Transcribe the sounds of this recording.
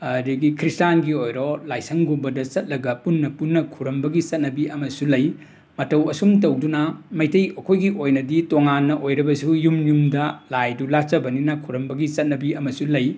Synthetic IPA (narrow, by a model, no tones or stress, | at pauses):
ɐdiɡikʰɾistanɡiojɾɔlajsɐŋɡumbɐdɐt͡ʃɐt̚lɐɡɐpunːɐpunːɐkʰuɾɐmbɐɡit͡ʃɐt̚nɐbiʔɐmɐsulɐj | mɐtɐwɐsumtɐwdunɐmɐjtɐjɐkʰojɡiʔojnɐditoŋanːɐʔojɾɐbɐsujumjumdɐlajdulat͡ʃɐbɐninɐkʰuɾɐmbɐɡit͡ʃɐt̚nɐbiɐmɐsulɐj